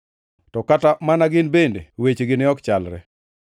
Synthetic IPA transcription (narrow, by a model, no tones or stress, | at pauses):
tɔkatamanaɡɪnbendḛwet͡ʃɡɪnɪɔkt͡ʃalɾɛ̰